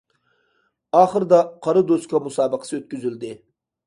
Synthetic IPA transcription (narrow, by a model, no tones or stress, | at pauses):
ɑːχəɾd̪ɑqʰɑɾɨd̪oskʰɑmusɑːbəqʰə̥sɨøt̪̚kʲyzyld̪ɪ